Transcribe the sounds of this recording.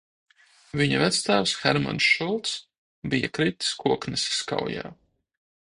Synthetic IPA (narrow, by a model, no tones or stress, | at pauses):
viɲavæt̪st̪aːvsxɛɾma̰nsʃulˠt̪s | bija̰kɾit̪skuɔknɨsska̰wja̰ː